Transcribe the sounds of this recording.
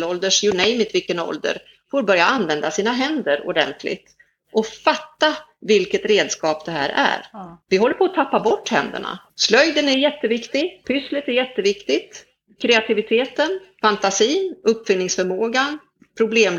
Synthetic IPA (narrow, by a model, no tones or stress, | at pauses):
lɔld̪əʂjʊɳɛjmɪt̪vɪlkənɔ̰ld̪ə̰ɾ | foːɾbœɾjaanvɛnd̪asiːnaɦɛnd̪əɾɔ̰ɖɛ̰nt̪ʰlɪ̰t̪ | ʔɔfat̪ːavɪlkət̪ɾeːd̪skɑːp̚d̪ɛɦæ̰ːɾæ̰ɾvɪɦɔlːəɾpʰɔːt̪ʰapːabɔʈːhɛ̰nd̪ə̰ɳa̰ | slœjd̪ənæɾjɛt̪ːəvɪkt̪ɪɡpʰʏslɪt̪æɾjɛt̪ːəvɪkt̪ɪt̪ | kʰɾɛat̪ʰɪvɪt̪ʰeːt̪ənfant̪asiːnɵpːfʏnnɪŋsfœɾmoːɡan | pʰɾʊbleːm